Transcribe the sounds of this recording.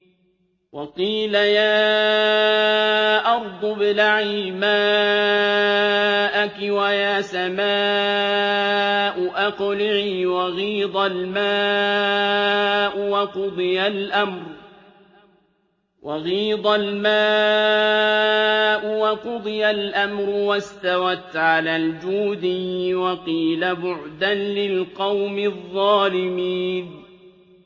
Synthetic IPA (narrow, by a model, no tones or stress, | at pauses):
wɑqiːlajaː | ʔɑɾˤd̪ˤʊbɪlaʕiːmaː | ʔakɪwajaːsamaː | ʔʊʔaqʊlɪʕiːwɑɣiːd̪ˤɑlmaː | ʔʊwɑqʊd̪ˤɨjalʔamɾ | wʔɑɣiːd̪ˤalmaː | ʔʊwɑqʊd̪ˤɨjalʔamɾʊwast̪awat̪ʕalaːld͡ʒuːd̪ɪːwɑqiːlabʊʕd̪anlɪlqɑwmɪðˤːɑːlɪmiːn